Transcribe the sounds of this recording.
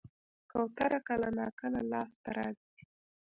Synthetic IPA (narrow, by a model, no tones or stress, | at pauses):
kawt̪aɾakalanɑkalalɑst̪aɾɑzi